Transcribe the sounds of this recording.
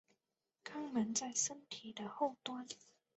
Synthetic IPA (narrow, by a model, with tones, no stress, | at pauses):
kʰa˥ŋmə˨˦nt͡sa˥˩ɪʂə˥nt̪ʰi˨˩d̪ə˦ho˥˨˩ʊt̪wa˥n